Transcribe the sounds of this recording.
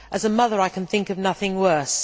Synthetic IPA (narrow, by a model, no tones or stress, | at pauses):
ʔɨzəmʌðə˞aɪkʰɨ̃nθɪ̃ŋkʌvnʌθɪ̃ŋwɜ˞s